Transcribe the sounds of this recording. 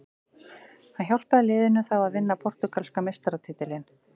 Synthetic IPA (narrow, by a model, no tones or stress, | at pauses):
hançjawl̥paalɪːðɪnʏθawaðvɪnːapʰɔɾ̥t̪ʏkalskamejst̪aɾat̪ʰɪːt̪ɪlɪn